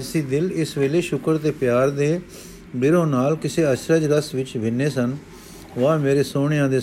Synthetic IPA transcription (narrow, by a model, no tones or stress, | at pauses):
siːd̪ɪlɪsʋeːleːʃʊkəɾt̪eːpjaːɾd̪eː | bɪɾõːnaːlkɪseːəʃɾəd͡ʒɾəsʋɪt͡ʃʋɪnːeːsən | ʋãːmeːɾeːsoːɳ̃ɪjãːd̪eː